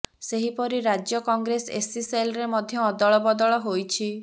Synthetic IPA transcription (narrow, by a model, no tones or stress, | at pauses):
seɦipɔɾiɾad͡ʒjɔkɔŋɡɾesḛsiselɔɾemɔd̪ʱjɔːd̪ɔɭɔbɔd̪ɔɭɔɦojt͡ʃʰi